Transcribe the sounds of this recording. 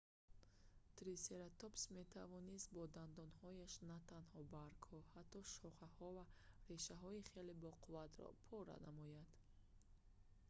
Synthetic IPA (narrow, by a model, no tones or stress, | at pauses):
t̪ɾise̞ɾat̪opsmet̪ʰavɔnist̪̚bɔd̪and̪ɔnhɔjaʃnat̪ʰanhɔbaɾkhɔhat̪ːɔʃɔχahɔvareʃaɦɔiχelebɔqʰuvat̪ɾɔ̰pʰɔɾa̰namɔjad̪̥